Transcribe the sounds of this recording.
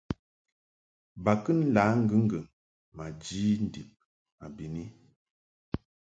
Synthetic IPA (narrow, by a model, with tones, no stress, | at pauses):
ba˨kɨ˦n˦la˨˦ŋ̩˦ɡə˦ŋ˦ɡə˨ | ma˨d͡ʒi˦n̩˨di˨p̚ | a˨bi˨ni˦